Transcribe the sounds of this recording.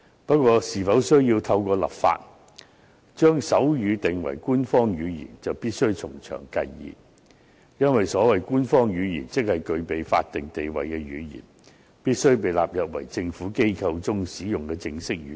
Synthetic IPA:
pɐ˥kʷɔː˧siː˨˩fɐ˨˥wsɵ˥ɥjiː˧wt̪ʰɐ˧wkʷɔː˧lɐ̰˨˩p̚fa̰ː˧t̚ | t͡ʃœː˥ŋsɐ˨˥wjyː˨˧t̪ɪ˨˩ŋwɐ̰˨˩jkuː˥nfɔː˥ŋjyː˨˧jḭː˨˩nt͡sɐ˨wpiː˥t̚sɵ˥ɥt͡sʰʊ˨˩ŋt͡ʃʰœ̰ː˨˩ŋkɐ̰˧jːḭː˨p̚ | jɐ˥nwɐ˨jsɔː˨˥wɐ˨jkuː˥nfɔː˥ŋjyː˨˧jḭː˨˩nt͡sɪ˥k̚hɐ˨jkɵ˧ɥpe˨jfa̰ː˧t̚t̪ɪ˨ŋt̪e˨jwɐ˨jkɛː˧ɥyː˨˧jḭː˨˩n | piː˥t̚sɵ˥ɥpe˨jla̰ː˨p̚jɐ˨p̚wɐ̰˨˩jt͡sɪ˧ŋfuː˨˥ke˥jkʰɐ˧wt͡sʊ˥ŋsiː˨˥jʊ˨ŋkɛː˧t͡sɪ˧ŋsɪ˥k̚yː˨˧˥

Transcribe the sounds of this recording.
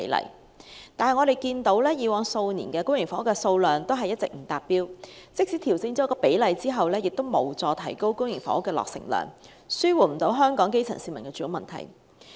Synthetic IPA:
e˨˥lɐ̰˨˩j | t̪aː˨nɐ˨jŋɔː˨˧ɾe˨jkiː˧nt̪o˨˥wlɛː˥jiː˨˧wɔː˨˧ŋso˧wniː˨˩nkɛː˧kʊ˥ŋjɪ˨˩ŋfɔː˨˥kɛː˧so˧wlœː˨ŋt̪o˥wɦɐ˨jɐ˥t̚t͡sɪ̰˨k̚m̩˨˩t̪aː˨t̚piː˥wt͡sɪ˥k̚siː˨˥t̪ʰi˨˩wt͡sɪ˧ŋt͡sɔː˨˥kɔː˧pe˨˥jlɐ˨jt͡siː˥ɦɐ˨wlɛː˥jɪ˨k̚t̪o˥wmo˨˩wt͡sɔː˧t̪ʰɐ˨˩jko˥wkʊ˥ŋjɪ˨˩ŋfɔ̰ː˨˥kːɛː˧lɔ̰ː˨k̚sɪ̰˨˩ŋlœ̰ː˨˩ŋ | syː˥wuː˨˩m̩˨˩t̪o˨˥wɦœː˥ŋkɔː˨˥ŋke˥jt͡sʰɐ̰˨˩nsiː˧mɐ˨˩nkɛː˧t͡ʃyː˨˧˥ʊ˧˩mɐ˨nt̪ʰɐ̰˨˩j

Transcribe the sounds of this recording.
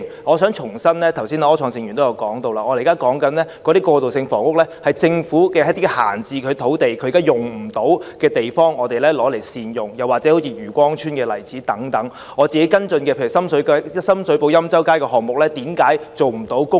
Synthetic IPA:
ŋɔː˨˧sœː˨˥ŋt͡ʃʰʊ˨˩ŋsɐ˥nlɛː˥t̪ʰɐ˨˩wsi˥naː˧ɔː˥t͡ʃʰɔː˧ŋsɪ˧ŋjy˨nt̪o˥jɐ˧wkɔː˨˥ŋt̪o˧wlaː˧ʔɔː˨˧lkaː˥kɔː˨˥ŋkɐ˨˧˥nlɛː˥kɔː˨˧ɾiː˥kɔː˧t̪o˨wsɪ˧ŋfɔ̰ː˨˩ŋkʊ˥k̚lɛː˥hɐ˨jt͡sɪ˧ŋfuː˨˥kɛː˧˦˥t̪iː˥kɛ˧ha̰ː˨˩nt͡siː˨˧kʰɵ˨˧t̪ʰo˨˥wt̪e˨jkʰɵ˨˧˨kaː˥jʊ˨˩ŋm̩˨˩t̪o˨˥wkɛː˧t̪e˨jfɔː˥ŋɔː˨˧t̪e˨jlɛː˥lɔː˨˥le˨˩jsiː˧njʊ˨˩ŋjɐ˨˩wa˨k̚t͡sɛː˨˥ho˨˥wt͡sʰiː˧jyː˨˩kʷɔː˥ŋt͡ʃʰyː˥nkɛː˧lɐ˨˩jt͡siː˨˥t̪ɐ˨˥ŋt̪ɐ˨˥ŋ | ɔː˨˧t͡siː˨ke˨˥jkɐ˥nt͡sɵ˧nkɛ˧pʰe˧jy˨˩sɐ˥msɵ˨˥kːsɐ˥msɵ˨˥ɥpo˨˧wjɐ˥mt͡sɐ˥wkaː˥jkɛ˧ɦɔː˨k̚mʊ˨k̚lɛː˥t̪iː˨˥mkaː˨˥jt͡so˨wm̩˨˩t̪o˨˥wkʊ˥

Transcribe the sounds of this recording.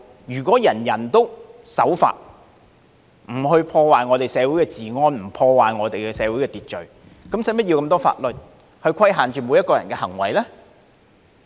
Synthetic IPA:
jyː˨˩kʷɔː˨˥jɐ˨˩njɐ˨˩nt̪o˥wsɐ˨˥wfa̰ː˧t̚ | m̩˨˩hɵ˧ɥpʰɔː˧waː˨jŋɔː˨˧t̪e˨jsɛː˨˧wu˨˥jkɛː˧t͡siː˨ŋɔː˧nm̩˨˩pʰɔː˧waː˨jŋɔː˨˧t̪e˨jkɛ˧sɛː˨˧wu˨˥jkɛː˧t̪iː˨t̚t͡ʃɵ˨˩ɥ | kɐ˨˥msɐ˨˥jmɐ˥t̚ji˧kɐ˧mt̪ɔː˥fa̰ː˧t̚lɵ˨t̚ | hɵ˧ɥkʰɐ˥jɦaː˨nt͡ʃyː˨mo˨˧wjɐ˥t̚kːɔː˧jɐ̰˨˩nkɛː˧hɐ˨˩ŋwɐ˨˩jlɛː˥

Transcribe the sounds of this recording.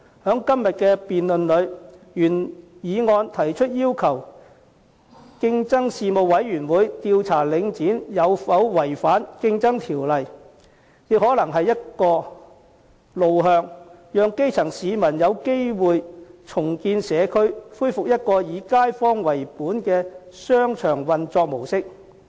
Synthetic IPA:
hœː˨˥ŋkɐ˥mjɐ˨t̚kɛː˧piː˨nlɵ˨nlɵ˨˧ɥjyː˨˩njiː˨˧ŋɔː˧nt̪ʰɐ˨˩jt͡ʃʰɵ˥t̚jiː˥wkʰɐ˨˩w | kɪ˧ŋt͡sɐ˥ŋsiː˨˧mo˨wwɐ˨˥jjyː˨˩nwuː˨˧jt̪iː˧wt͡sʰaː˨˩lɪ˨˧ŋt͡siː˨˥njɐ˨˧wɐ˨˧wwɐ˨˩jfaː˨˥nkɪ˧ŋt͡sɐ˥ŋt̪ʰiː˨˩wlɐ˨˩j | jɪ˨k̚hɔː˨˥lɐ˨˩ŋɦɐ˨jːɐ˥t̚kɔː˧ | lo˨wɦœː˧ŋjœː˨˧ŋke˥jt͡sʰɐ˨˩ŋsiː˨˧mɐ˨˩njɐ˨˧wke˥jwuː˨jt͡ʃʰʊ˨˩ŋkiː˧nsɛː˨˧kʰɵ˥ɥfuː˥jfʊ˨k̚jɐ˥t̚kɔː˧jiː˨˧kaː˥jfɔː˥ŋwɐ˨˩jpuː˨˥nkɛː˧sœː˥ŋt͡ʃʰœː˨˩ŋwɐ˨nt͡sɔː˧k̚mo˨˩wsɪ˥k̚

